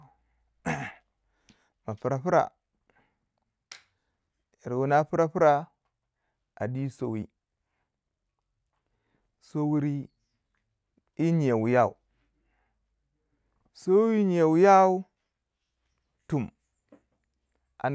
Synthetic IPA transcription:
ma˨pu˨ɾa˨pi˦ɾa̰˨ | i˨ɾwu˨na˦pi˦ɾa˦pi˦ɾa˦ | a̰˨di˦so˨wḭ˦ | so˦wu˨ɾi˦ | i˦ɲ˨a˨wu˨ja˦˨ṵ˨ | so˦wi˦ɲi˨e˨wu˨ja˦u˦ | tu˨m | a̰˨

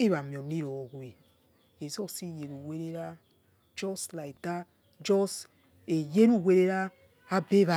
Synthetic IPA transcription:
i˦βa˨mjo˨ni˦ɾo˨ɣʷe˨ | e˨zo˦si˦˨je˨ɾu˨we˦ɾe˦ɾa˦ | d͡ʒɔ˦sla˨i˨ta˦ | d͡ʒɔ˦s | e˨je˦ɾu˦˨we˦ɾe˦ɾa˦ | a˦be˦βa˨

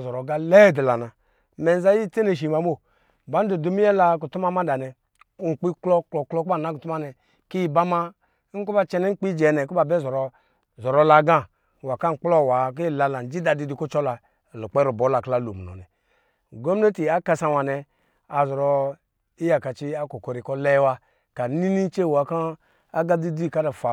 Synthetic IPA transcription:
zɔ˨ɾɔ˨ɡa˦lɛ˦˨dɛ˨la˨na˨ | mɛ˨n˦za˦ji˦te˦ne˨ʃ̬i˨ma˨˦m˦o˦˨ | ba˨˦n̩˦du˨du˦mi˦jɛ˦la˧ku˨tu˦ma˦ma˦da˨nɛ˨˦ | ŋ̩˨k͡pi˦klɔ˦klɔ˨klɔ˦ku˦ba˦˨na˨˦ku˨tu˦ma˦nɛ˨ | ki˦ji˨ba˦ma˦ | ŋ̩˦ku˦ba˦t͡ʃɛ˧nɛ˦k͡pi˦d͡ʒɛ˨˦nɛ˨ku˦ba˨bɛ˦˨zɔ˨ɾɔ˨ | zɔ˨ɾɔ˧la˧˨˦ɡa˦ | wa˨ka˦ŋ̩˨k͡plɔ˦˨wa˨k̬i˦˨la˧la˨n˨d͡ʒi˦da˧di˧di˧ku˦t͡ʃɔ˦la˨ | lo˨k͡pɛ˦ɾu˨bɔ˨˦la˨kla˦lo˨mu˨ɔ̰˨nɛ˨ | ɡo˦m˦ne˦ti˨a˨ka˧sa˧wa˨nɛ˧ | a˨zɔ˨ɾɔ˧ | i˦ja˨ka˨t͡ʃi˧a˦ko˨kɔ˨ɾi˨kɔ˧lɛ˧˦wa˧ | ka˨˦ni˦ni˦t͡ʃe˦˨wa˨ka˦ | a˦ɡa˦di˦di˦˨ka˦da˨fa˨

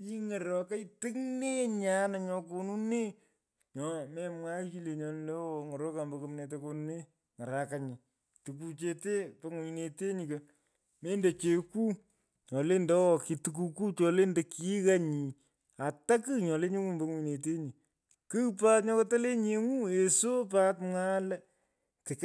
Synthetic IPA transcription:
i˦ŋɛ˨ɾɔ˨ka˦itɨ˦ŋne˦ɲa˦na˨ɲɔ˧ko˨nu˦ne˦ | ɲɔ˨˦mɛ˦mwa˦t͡ʃi˦le˨ɲɔ˨nle˦wɔ˨ŋɔ˨ɾo˦ka˨mbo˨kɨ˦mne˨t̬e˨˦ko˧nu˦ne˦ | ŋa˨ɾa˨ka˨ɲi˨ | tɨ˨k̬u˨t͡ʃe˨te˦po˦ŋu˨ne˨te˦ɲi˨kɐ˨ | me˦nde˨t͡ʃe˨ku˦ | ɲɔ˨le˦ndɛ˦wɔ˨ki˨tuk̬u˦ku˦t͡ʃɔ˨le˦nde˨ki˦ka˦ɲi˨ | a˨ta˦kɨ˦ɲɔ˨le˦ɲe˦ŋu˦˨mbo˦ŋu˨ɲ˨ne˨te˦ɲi˨ | kɨ˦pa˦tɲɔ˦kɔ˦ta˦le˦ɲe˨ŋu˦e˨so˦pa˦tmŋa˦l | tɪ˨k

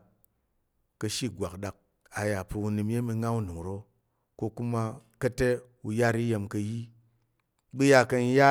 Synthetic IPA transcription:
kɐ˧ʃi˦˨ɡʷa˨kɗa˨k̚ | a˨ja˨pɨ˧u˧nɨ˧mje˦mi˧ŋa˦u˦nɨ˨ŋ˨ɾo˦ | ko˧ku˦ma˧kɐ˦te˦ | u˧ja˦ɾi˦je˧mkɐ˧ji˦ | bɨ˦ja˧kɐ˧n˧˦ja˦

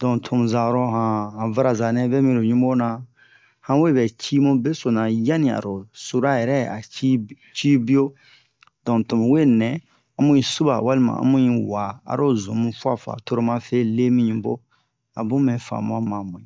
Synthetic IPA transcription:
dɔ̃˨tʰõ˨mũ˨za˨ɾo˦ɦã˨hã˨va˦ɾa˨za˨nɛ̃˦bɛ˦mĩ˦ɾo˨ɲũ˦bo˦nã˨ | hã˦we˦bɛ˨t͡ʃi˦mũ˦be˦so˨nã˨ja˦nĩ˨a̰˨ɾo˨su˦ɾa˦jɛ˨ɾɛ˦˨a̰˨i˦ | t͡ʃi˦bi˦o˦ | dɔ̃˨to˨mũ˨we˦nɛ̃˨ | ã˨mũ˦ĩ˨su˦ba̰˨wa˦li˦mã̰˨ã̰˨˦mũ˦ĩ˦wa˨a̰˨ɾo˦zõ˨mũ˦fu˦a˨fa̰˨to˦ɾo˦mã˦fe˦le˦mĩ˦ɲĩ˨bo̰˦ | a̰˨bũ˦mɛ̃˨fa̰˨mã˦mã˨mũ˨ĩ˨

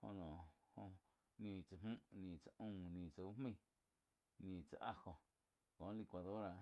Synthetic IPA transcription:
ho̰˧nɔ̃ː˨hõ˧ | nĩ˨t͡sa˨mmũ˦ʔnĩ˨t͡sa˨ʔũː˦˧˨nĩ˨t͡sa˧˨u˦hmĩ˦˧˨ | nĩ˨t͡sa˨ʔa˧hõ˨ | kõː˨˦li˧kʷa˨ðo˦ɾa˨

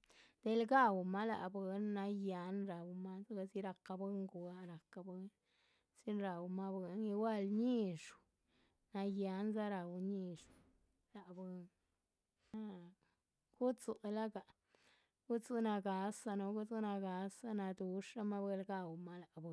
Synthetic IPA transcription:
d̪̥e˦lɡa˦wma˦la̰˨be˧nːa˧ja˧˦nɾa˨wma˦za˦ɡa˧zi˦ɾa˧ka˧be˦ŋɡu˨a˦ɾa˨ka˧be˦n | si˦nɾa˨wma˦be˧ni˧wa˦lɲi˦ʂ | na˧ja˧˦nza˦ɾa˨wɲi˦˧ʂ | la˨be˧n | na˦ | ɡ̥u˦t͡su˧˨la˦ɡa˨ | ɡ̥u˦t͡su˦na˧ɡa˨˦sa˧no˧ɡu˦zu˦na˧ɡa˧sa˦na˧d̪u˧ʂɾa˦ma˦be˧lɡa˧wma˦la˨bɨ˧˦

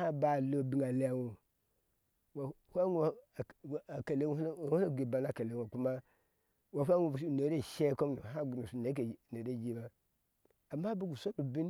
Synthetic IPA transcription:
a˦ba˨lo˦bi˨ŋa˨le˨ja˨wu˨ | wa˨ | ha˦ŋu˦˨a˨ka˨le˦˨˦u˦a˦˨ɡe˨ba˨na˨ka˨le˨ŋo˨ku˦ma˦ | wa˨ɦa˦ŋu˨˦˨ne˨˦ɾe˦˨ʃe˦ko˦m˦no˨ɦa˦ɡu˨nu˨su˨ne˨˦k̬e˨ne˨ɾe˦˨d͡ʒi˦ba˦ | a˨mːa˦bu˦ɡu˨so˦bu˨bi˦n

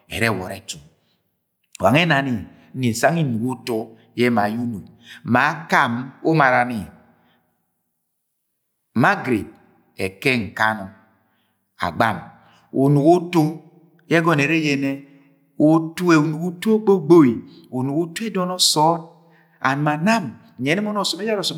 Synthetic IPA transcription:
ɛ̰˨ɾɛ˦˨wɔ̰˨ɾɛ˨t͡ʃu˨ | wa̰˨ŋɛ˦na˨ni˨˦ | ni˨e˨sa˦ŋi˦nu˨ku˦to˦ | jɛ˦ma˨ju˦nu˨i˨ma˨˦ka˦mo˦ma˨ɾa˨ni˨ | ma˦ɡɾe˨d̚ | ɛ˨kɛ˦ŋ̩˨ka˦nɔ˨ | a̰˨ɡ͡ba̰˦˨m | o˨nu˨ɡo˦to˦ | jɛ˦ɡɔ˦n˨e˨ɾe˦jɛ˦nɛ˦ | o˦tu˦e˨u˨nu˨ɡu˦to˦k͡po˦ɡ͡bo˦wi˨ | o˨nu˨ku˦to˦ɛ˦dɔ˦nɔ˦sɔ˦n | a̰˨n˨ma˨na˦m˨ | ɛ˨˦nɛ˦mɔ˦nɔ˦˨sɔ˨mɛ˦d͡ʒa˦ɾɔ˨sɔ˨˦

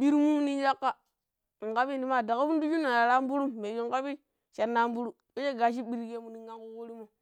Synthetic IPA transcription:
ɓi˦ɾmu˦ni˦n˦d͡ʒa˦kːa˦˨ | ŋka˦bi˦n˦di˦ma˦˨da˨ka˦u˦n˦du˦d͡ʒu˦na˨ja˨ɾa˦m˦bu˦ɾu˦mːe˨d͡ʒi˨ŋka˦bi˦ | ʃa˨nːa˦m˦bu˦ɾu˦ | o˦ʃe˦ɡa˨ʃ̬i˦ɓi˦ɾke˦mu˨ni˨ŋɡa˦ŋku˦ko˦ɾi˦mo˨

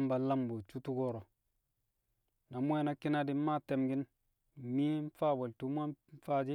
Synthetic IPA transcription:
mba˨la˦mbo˨t͡ʃu˦tu˦ɡo˦ɾo˨ | na˨mʷ˦e˦na˦ki˦na˦di˦ma˦te˨mɡi˦n˨ | mi˦nfa˦˨we˨ltu˦mʷ˦a˦fa˦d͡ʒi˦

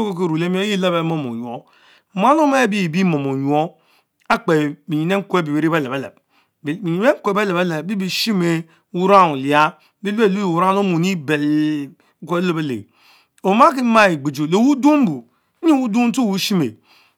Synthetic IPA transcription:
o˦ko˦ke˨ɾu˨le˦mi˦o˦ji˦la˦be˨˦mo˦mo̰˨ju˨o˦˨ | m˦a˦no˦ma˦bi˦˨bi˦mo˨mo˨ɲu˨o˦ | a˦k͡pe˨mi˨ɲi˨ne˦ŋ̩˦ko˦e˦bi˨we˨ɾi˦be˦le˨be˦lḛ˨b̚ | i˨i˨˦e˦ŋ̩˦ke˨be˦le˨be˦le˨˦bi˦bi˨ʃi˦me˦ | wu˦ɾa˦˨nu˨li˨a˦ | bi˦le˦˨lu˦˨wu˨ɾa˦no˦mu˨ni˦be˨l | ke˦o˦˨be˦lḛ˨ | o˨ma˦ki˦ma˦i˨ɡ͡bi˨d͡ʒo˨le˨wu˦do˦m˦bu˨˦ | i˦wu˦du˦to˦˨wu˦ʃi˦mḛ˨

